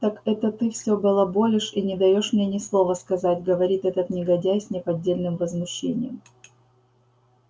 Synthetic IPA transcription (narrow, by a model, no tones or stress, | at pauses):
t̪akɛt̪ət̪ɨfsʲɵɡəlˠɐbo̞lʲɪʂinʲɪd̪ɐjo̞ʂmnʲenʲɪslˠo̞vəskɐzatʲɡəvɐɾʲit̪ɛt̪ət̪nʲɪɡɐdʲæjsʲnʲɪpɐdʲːelʲnɨmvəzmʊɕːḛnʲɪ̰jə̰m